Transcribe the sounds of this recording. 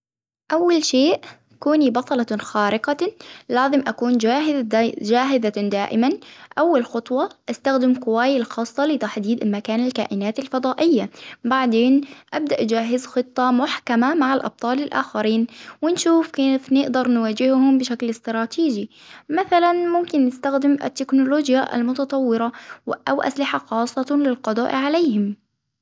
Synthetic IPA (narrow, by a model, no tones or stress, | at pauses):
ʔawːalʃeːʔ | kuːnibɑt̪ˤɑlɑxaːɾɪqɑlaːzɪmʔakuːnd͡ʒaːɦɪd͡ʒaːɦɪðad̪aːʔɪmanʔawːalxʊt̪ˤwɑʔast̪axd̪ɪmkʊwaːjɪlxɑːsˤːɑlɪt̪aħd̪iːd̪ɪlmakaːnɪlka̰ːʔɪnaːt̪ɪlfɑd̪ˤɑːʔɪjːabaʕd̪eːnʔab̚d̪aʔd͡ʒaːɦɪzxɨt̪ˤːɑmʊħkamamaʕalʔɑ̰b̚t̪ˤɑːlɪlʔa̰ːxaɾiːnwɪnʃuːfkanɪfnɪʔd̪ɑɾˤnwaːd͡ʒɪhhʊmbɪʃaklɪst̪ɾˤɑːt̪iːd͡ʒi | maθalanmʊmkɪnːɪst̪axd̪ɪmʔɪ̰t̪ːɪknʊloːd͡ʒjaʔa̰lmʊt̪ɑt̪ˤɑwːɪɾɑʔa̰wʔa̰slɪħaxɑːsˤːɑlɪlqɑd̪ˤɑ̰ːʔʕalejːhɪm